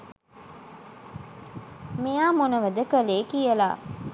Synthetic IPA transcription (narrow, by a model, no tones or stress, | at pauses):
mijaːmonəʋəd̪əkəleːkijəla̰ː